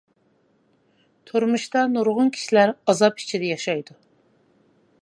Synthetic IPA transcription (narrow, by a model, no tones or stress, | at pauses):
t̪ʰoɾmuʃt̪ɑnuɾʁʊnkʲʰi̥ʃilæɾɑzɑp̚i̥t͡ʃʰid̪ɛjɑʃɑjd̪u